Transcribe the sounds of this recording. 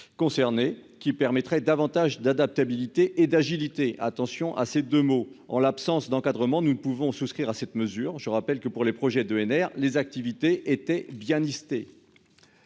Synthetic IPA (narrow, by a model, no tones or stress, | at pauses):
kɔ̃sɛʁnekʲipɛʁmɛt̪χɛd̪avɑ̃t̪aʒd̪ad̪ap̚t̪abilit̪eʔed̪aʒilit̪eʔa̰t̪ɑ̃sjɔ̃ʔa̰sed̪ømoɑ̰̃lapsɑ̃sd̪ɑ̃kad̪ʁəmɑ̃nupuvɔ̃suskχiʁasɛt̪məzyːʁʒəʁapɛlkəpuʁlepχɔʒɛd̪øɛnɛʁlezak̚t̪ivit̪eʔet̪ɛbjɛ̃list̪e